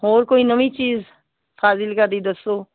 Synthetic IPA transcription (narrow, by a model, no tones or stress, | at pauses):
oːɾkoːinəmit͡ʃiːz | pʰaːsɪlkɐɾd̪id̪əso